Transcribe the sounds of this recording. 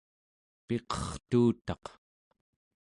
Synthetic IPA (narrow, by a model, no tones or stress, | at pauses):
pe̞qʌ̥χt̪uːt̪ɑq